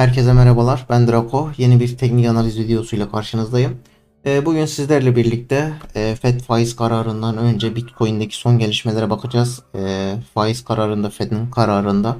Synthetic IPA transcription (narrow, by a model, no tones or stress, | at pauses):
hæɾcʰe̞zɛmɛɾabalˠaɾbænd̪ɾakʰo̞je̞nibiɾt̪ʰɛcnicanalʲizvid̪ijo̞sujlʲˠakʰaɾʃɯnɯzd̪ajɯmː | buɟynsizlʲæɾlʲɛbiɾlʲic̚t̪ʰɛːfɛt̪faːjizkʰaɾaːɾɯnd̪anø̞nd͡ʒɛbit̪kʰo̞jund̪acʰi̥so̞nɟe̞lʲiʃme̞lʲeɾɛbakʰɯd͡ʒaːz | faːjiskʰaɾaːɾɯnd̪afɛd̪inkʰaɾaːɾɯnd̪a